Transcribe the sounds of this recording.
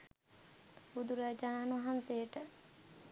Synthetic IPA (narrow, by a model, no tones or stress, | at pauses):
bud̪uɾad͡ʒaːnuɐɦanseʈə